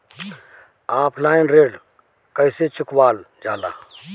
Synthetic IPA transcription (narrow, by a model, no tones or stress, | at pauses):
aːpʰlaːɪnɾeːɖ | kəɪset͡ʃʊkwaːld͡ʒaːla̰ː